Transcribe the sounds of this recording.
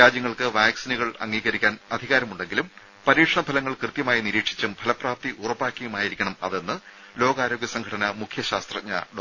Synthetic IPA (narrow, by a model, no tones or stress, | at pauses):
aːd͡ʑjɐŋːɐɭkɨʋaːksinuɣɐɭɐ̰ŋːiːɣɐɾikʲːaːnɐd̪ʱiɣaːɾɐmuɳɖe̞ŋɡilum | pɐɾiːʂɐɳɐbʱɐlɐŋːɐɭkrɨt̪jɐmaːjiniɾiːkʂi̥t͡ɕːumbʱɐlɐpraːp̚t̪iʔurɐpːaːkʲːɐjumaːjiɾikʲːɐɳɐmɐ̰ʋenːɨ | lo̞ːɡaːɾo̞ːɡjɐsɐŋɡʰʱɐɽɐnɐmukʰjɐɕaːst̪rɐɲːɐ̰ɖ